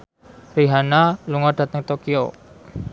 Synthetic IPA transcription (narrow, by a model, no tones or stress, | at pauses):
riɦanaluŋɔd̥ä̤t̪əŋt̪okio̰